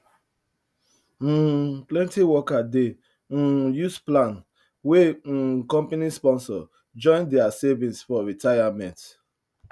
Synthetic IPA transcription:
plɛ̃ntiwɔkadẽ | jusplãn | wẽkɔ̃mpanispɔ̃nsɔ | d͡ʒɔ̃ɪ̃ndɛasevĩnsfɔɹitajamɛ̃nt

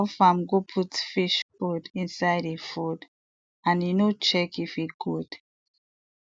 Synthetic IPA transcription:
ɔfãmɡopʰutfiʃpodĩnsaɪdefud | ãnjinot͡ʃɛkifiɡ̥ud̥

